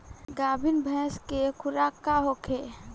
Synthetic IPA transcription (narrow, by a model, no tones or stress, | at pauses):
ɡaːbʱinbʱɛ̃skekʰʊɾaːkaɦokʰe